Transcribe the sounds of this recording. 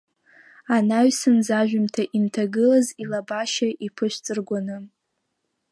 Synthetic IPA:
anaɥsɨnzaʒᶣʏmtʰaʔimtʰaɡɨlazilabaʃaʔipʰɨʃʷᶣt͡sʼɨrɡʷanɨ

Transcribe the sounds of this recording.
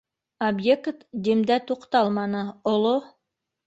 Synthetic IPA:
objekt̪d̪ʲimd̪æt̪uqt̪ɑlˠmɑnɤolˠo

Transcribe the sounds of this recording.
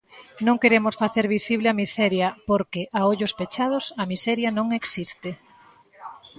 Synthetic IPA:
nõŋkeɾemʊsfaθeɾβisiβ̞lɪɐmisɛɾjɐpoɾkeʔaoʎʊspet͡ʃað̞ʊsɐmisɛɾjɐnõŋeksist̪ɪ

